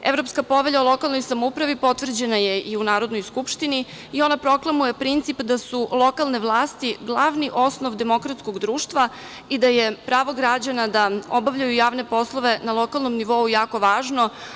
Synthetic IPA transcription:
ḛvɾo̞pskapo̞ʋeʎaolˠo̞kalno̞jsamoupɾaʋipo̞t̪ʋr̩d͡ʑe̞najeiunaːɾo̞d̪no̞jskupʃt̪ini | io̞napɾo̞klˠamujepɾint̪sipd̪asulˠo̞kalˠne̞ʋlˠaːst̪iɡlˠaʋniʔo̞snoʋd̪e̞mo̞kɾat̪sko̞ɡd̪ɾuːʃt̪ʋa | id̪ajepɾaːʋo̞ɡɾad͡ʑanad̪aobaʋʎajujaːʋne̞po̞slˠoʋe̞nalˠo̞kalˠnomniʋo̞ujaːko̞ʋaːʒno̞

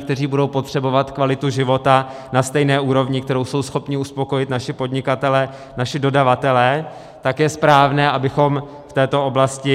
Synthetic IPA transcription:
k̚t̪ɛriːbudo̞wpo̞t̪r̥ɛbo̞vat̪kvalɪt̪uʒɪvo̞t̪a | nast̪ɛjnɛːʔuːɾo̞vɲɪkt̪ɛɾo̞wso̞wsxo̞pɲɪuspo̞ko̞jɪt̪naʃɪpo̞dɲɪkat̪ɛlɛ | naʃɪdo̞davat̪ɛlɛ | t̪akjɛspɾaːvnɛːʔabɪxo̞m | ft̪ɛːt̪o̞ʔo̞blascɪ

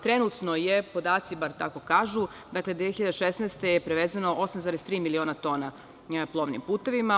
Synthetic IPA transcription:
t̪ɾenut̪no̞jepo̞d̪aːt̪sibaɾt̪ako̞kaːʒu | d̪akled̪ʋieçiʎad̪eʃesneːst̪e̞jepɾeʋeːzanoʔo̞samzaɾest̪ɾiːmilio̞ːnat̪o̞ːna | plˠo̞ːʋnḭmpuːt̪e̞ʋima

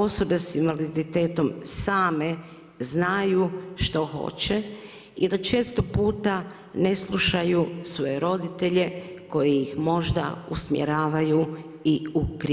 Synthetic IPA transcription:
o̞so̞be̞sinʋalid̪it̪e̞ːt̪o̞msaːme̞ | znajuʃt̪o̞xo̞̰t͡ɕe | id̪at͡ʃeːst̪opuːt̪a | ne̞slˠuʃajusʋo̞jeɾo̞d̪it̪e̞ʎe̞ko̞jejixmo̞ʒd̪a̰usmjḛɾaːʋaju | iukɾi

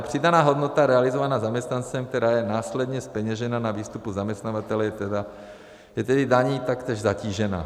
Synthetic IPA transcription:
pr̥id̪anaːɦɔd̪nɔt̪aɾɛalizɔʋanaːzamɛst̪nant͡sɛmt̪ɛɾajɛnaːslɛd̪ɲɛspɛɲɛʒɛnaːnaʋiːst̪upuzamɛst̪naːʋat̪ɛlɛjɛt̪ɛd̪a | jɛt̪ɛd̪id̪aɲiːt̪akt̪ɛʒzaciːʒɛna̰ː

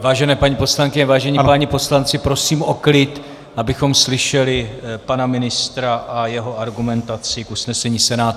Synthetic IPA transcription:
vaːʒɛnɛːpaɲiːpo̞slaŋkɪɲɛvaːʒɛɲɛpaɲipo̞slant͡sɪpɾo̞siːmoklɪt̪ | ʔabɪxo̞mslɪʃɛlɪpanamɪnɪst̪ɾaʔajɛɦo̞aɾɡumɛnt̪at͡sɪkusnɛsɛɲiːsɛnaːt̪

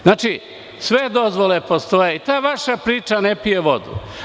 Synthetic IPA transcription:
znaːt͡ʃi | sʋe̞d̪o̞zʋole̞po̞st̪o̞jeit̪aːʋaʃapɾiːt͡ʃanepijeʋo̞̰d̪ṵ

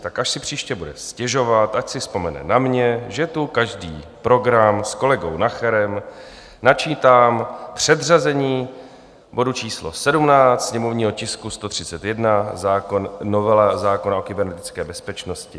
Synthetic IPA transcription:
t̪akʔaʃsɪpr̝̥iːʃcɛbudɛscɛʒo̞vat̪ʔacsɪspo̞mɛnɛ̰namɲɛʒɛt̪ukaʒdḭːpɾo̞ɡɾamsko̞lɛɡo̞wnaxɛɾɛm | nat͡ʃiːt̪aːmpr̝̥ɛd̪razɛɲiː | bo̞dut͡ʃiːslo̞̰sɛdumnaːt̪sɲɛmo̞vɲiːɦocɪskust̪o̞t̪r̝̥ɪ̥t͡sɛt̪jɛdnazaːkonːovɛlazaːko̞nao̞kɪbɛɾnɛt̪ɪt͡skɛːbɛspɛt͡ʃno̞scɪ

